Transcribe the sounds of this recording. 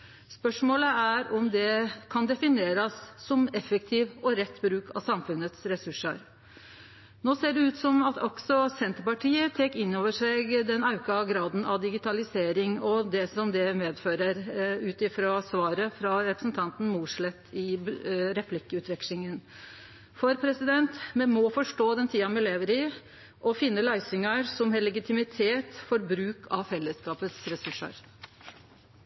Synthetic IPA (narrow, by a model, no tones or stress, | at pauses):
spœʂmoːləæɾɔmd̪ɛkʰɑnd̪ɛfɪneːɾɑsːɔmɛfəkt̪ʰiːʋɔɾɛt̪ːbɾʉːkʰɑ̰sɑmfʉnət̪sɾɛsʉʂə̰ɾ | noːseːɖɛʉːt̪sɔmɑt̪ʰɔksɔsɛnt̪əpɑʈʰiːət̪ʰeːkɪnːoːʋəʂæɪɡd̪ɛnɑʉkɑɡɾɑːd̪n̩ɑ̰ʋd̪ɪɡɪt̪ʰɑlɪseːɾɪŋɔd̪ɛsɔmd̪ɛmeːd̪føːɾəɾʉːt̪ɪfɾɑsʋɑːɾəfɾɑɾɛpɾəsn̩t̪ʰɑnt̪n̩muːʂɭɛt̪ːɪɾɛpʰlɪkːəʉːt̪ʰʋɪkɪŋən | fɔɾpʰɾɛsɪd̪ɛnt̪mɛnmɔfɔʂʈoːd̪ɛnt̪ʰiːɑmɛleːʋəɾɪ | ʔɔfɪnːəlæɪsʏŋɑsɔmhɛlɛɡɪt̪ʰɪmɪt̪ʰeːt̪fɔɾbɾʉːkʰɑfɛlːəskɑːpət̪sɾɛsʉʂə̰ɾ